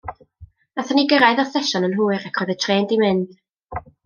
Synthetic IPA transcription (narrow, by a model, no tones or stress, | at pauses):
naθaniɡəɾaɨðɔθɛʃɔnənɦuːɨɾakʰɔjðətʰreːndimɪnd̥